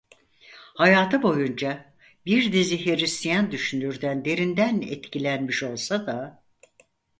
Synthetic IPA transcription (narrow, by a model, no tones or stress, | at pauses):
hajaːt̪ʰɯbo̞jund͡ʒa | biɾd̪iziɦeɾist̪jand̪yʃynyɾd̪ænd̪e̞ɾind̪ænɛ̰t̪cilʲænmiʃo̞lˠsad̪a